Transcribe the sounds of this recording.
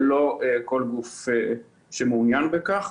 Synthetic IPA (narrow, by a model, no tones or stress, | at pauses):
lo̞eko̞lɡufe | ʃemunjanbekaχ